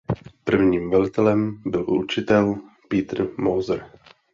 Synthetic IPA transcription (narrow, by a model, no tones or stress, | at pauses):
pr̩vɲiːmvɛlɪt̪ɛlɛmbɪlʔṵt͡ʃɪt̪ɛl | piːt̪r̩mowzɾ